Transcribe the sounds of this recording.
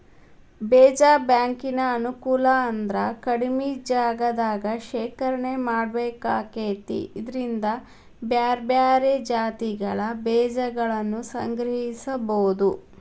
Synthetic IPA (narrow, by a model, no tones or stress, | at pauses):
bɛːd͡ʒaːbjaːŋkinɐːnukuːlɐːnd̪ɾɐkɐɽimid͡ʒaːɡɐd̪aːɡɐʃɛːkɐɾɐɳemaːɽbeːkaːkeːt̪ḭid̪ɐɾind̪ɐ | bjaːɾbjaːɾed͡ʒaːt̪iɡɐɭɐbɛːd͡ʒɐɡɐɭɐnːusɐ̰ŋɡɾɐɦisɐbɐud̪u